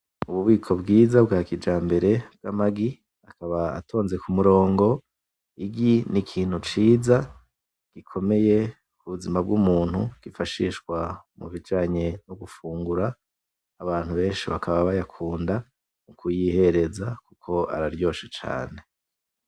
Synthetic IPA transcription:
uβuβiːkʰo̞bɡiːzabɡaːkid͡ʒaːmbe̞ɾe̞b̥̚ɡ̥amaɡi | akaβa̰ːtʰo̞ːnze̞kumuɾo̞ːŋɡo̞ | iɡinikʰiːn̥hut͡ʃiːza | ɡ̥ikʰo̞me̞je̞ | kuβuzimab̚ɡumuːn̥huɡ̥ifaʃiːʃɡwamṵvid͡ʒaːɲe̞noɡufuːŋɡuɾaː | βaːn̥huβe̞ːnʃiβa̰kʰaβaβajakʰuːnda | mukʰujihe̞ɾe̞zakukʰo̞a̰ɾaɾjo̞ːʃe̥t͡ʃa̰ːne̞

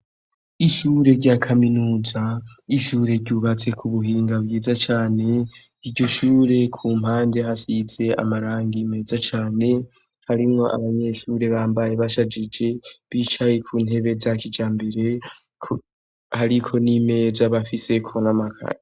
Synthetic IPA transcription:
iʃuːɾe̞ɾɟakʰaminuːzaiʃuːɾe̞ɾɟuβat͡se̞kʰuβuɦiːŋɡaβjiːzat͡ʃaːne̞ | iɾɟo̞ʃuːɾe̞kʰuːm̥haːnde̞ɦasize̞a̰maɾaːŋɡime̞ːzat͡ʃaːne̞ | haɾimŋo̞ʔa̰βaɲe̞ʃuːɾe̞βaːmbaje̞βaʃad͡ʒid͡ʒe̞βiːt͡ʃajekʰuːnhe̞βe̞zakid͡ʒaːmbeɾe̞ | kʰ | haɾikʰo̞nime̞ːzaβafise̞kʰonamakʰa̰ɾe

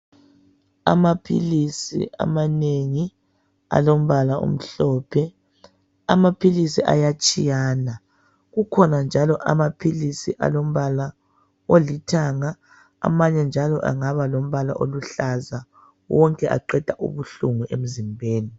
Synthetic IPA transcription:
a̰mapʰḭlisḭʔa̰maneŋi | a̰lom̩βalaṵm̩ɬɔːpʰɛ | amapʰilisiʔa̰jat͡ʃʼijaːna | ɣukʰɔnand͡ʒʱalɔʔa̰mapʰilisiʔa̰lom̩βala | olitʰaŋa | a̰maɲɛnd͡ʒʱalɔ̰ʔa̰ŋaβalom̩βala̰ʔoluɬaza | wɔŋkʼɛʔa̰ǃɛd̥ʱaʔṵβuɬuŋuem̩zimbʱeːni

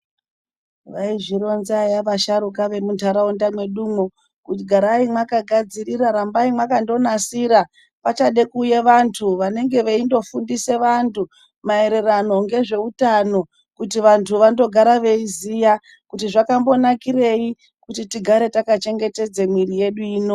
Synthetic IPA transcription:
ʋaiʐiɾo̞nzajaʋaʃaɾukaʋe̞muntaɾaundamwe̞ɗuːmo | kutiɡʱaɾaimwakaɡʱad͡ziriɾaɾambaimwakando̞nasiɾa | pat͡ʃaɗe̞kuːjeʋantʰuʋane̞ŋɡe̞ʋaindo̞fundise̞ʋantʰu | mae̞ɾe̞rano̞ŋɡe̞ʐe̞utano̞ | kutiʋantʰuʋando̞ɡʱaɾaʋe̞izija | kutiʐakambo̞nakire̞i | kutitiɡʱaɾe̞takat͡ʃe̞ŋɡe̞te̞d͡zemwirije̞ɗuiːno

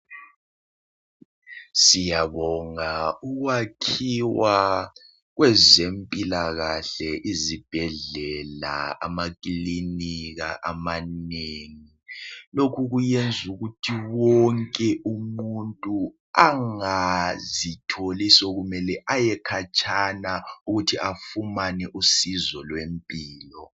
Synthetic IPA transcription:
sijaβɔŋauɣwakʰiwa | ɣwɛzempʼilaɣaɬɛʔizib̥ʱɛɮɛla̰a̰makʼliniɣa̰ʔamaneŋilokʰuɣujend͡zʱuɣutʰiwɔŋkʼɛʔumuntʼu | aŋazitʰolisɔɣumɛlɛʔajɛkʰat͡ʃʼʰanauɣutʰiʔafumanɛʔusizɔlwempʼiːlɔ

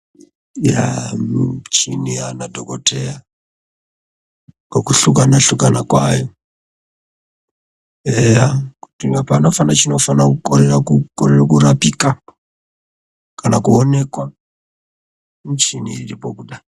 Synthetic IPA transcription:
ja̰mt͡ʃinianadʱokoteja | kokuɬukanaɬukanakwajo | ejakutiapano̞fanat͡ʃino̞fanakukoɾerakukoɾerakuɾapika | kanakuone̞kwa | mit͡ʃinḭiɾipo̞kuɗa

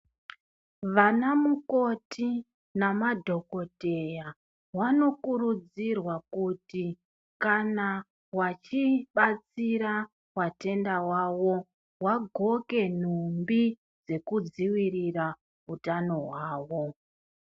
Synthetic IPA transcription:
ʋanamuko̞ti | namadʱo̞ko̞teja | wano̞kurud͡zirwakuti | kana | wat͡ʃiɓat͡siɾa | wate̞ndawawo̞ | waɡʱo̞ke̞n̤umbi | d͡ze̞kud͡ziwirira | utano̞waːwo̞

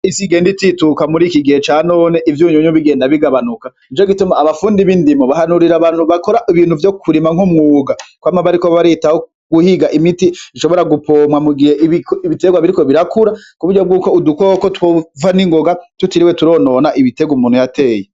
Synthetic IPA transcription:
isiɡe̞ːndititukamuɾiːkiɡihet͡ʃano̞ːne̞ʔivjuːɲuɲuβiɡe̞ːndaβiɡaβanuka | it͡ʃoɡitumaːβafuːndiβindimoβahanuɾiɾaːβaːn̥huβakoɾaʔiβiːnhuvjokʰuɾimaŋhumŋuːɡakwaːmaβaɾikoβaɾitaho | ɡ̥uhiɡaʔimitiiʃo̞βo̞ɾaɡupʰo̞ːmwamuɡiheʔiiiβite̞ɡwaβiɾiko̞βiɾakuɾakuβuɾɟob̚ɡuːkoudukokotwovaniŋɡoɡatutiɾiwetuɾo̞ːno̞ːnaʔiβite̞ɡwumuːnhujate̞ːje

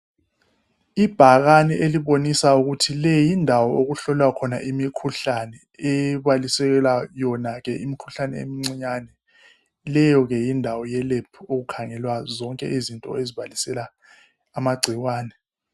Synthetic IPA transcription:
ib̥ʱaɣanɛʔeliβonisauɣutʰilɛjindʱawɔʔoɣuɬɔlwakʰɔna̰ʔimikʰuɬanɛ | ɛβalisɛɣɛlajɔnaɣɛʔimikʰuɬanɛ̰ḛmiŋ͡ǀiɲanɛ | lɛjɔɣɛjindʱawɔjɛlepʰuoɣukʰaŋɛlwazɔŋkʼɛ̰ʔizintʼɔ̰eziβalisɛlaː | maɡ͡ǀʱiwaːnɛ

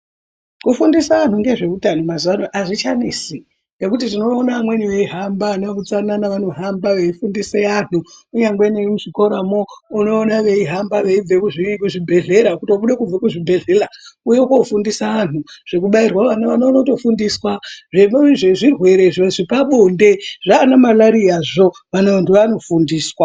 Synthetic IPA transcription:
kufundisaʋan̤uŋɡe̞ʐe̞kutanomazuʋanoʔaʐit͡ʃanisi | ŋɡe̞kut̬itino̞ːnaamwe̞niʋe̞iɦambanaʋut͡sananaʋano̞ɦambaʋe̞ifundiseanuuɲaŋɡwenemuʐikoɾamoːno̞ːnaʋe̞iɦambaʋeib͡vekuʐikuʐibʱe̞ɮe̞ɾakutioɓuɗekub͡vekuʐibʱe̞ɮe̞laujekofundisaanuʐ̥e̞k̬uɓairwaʋanaʋanaʋanoto̞fundiswaʐemʐeʐirwe̞ɾe̞ʐeʐipaɓonde̞ʐ̥aːnamalaɾiaʐo̞ʋanaʋantʰuʋano̞fundiːswa

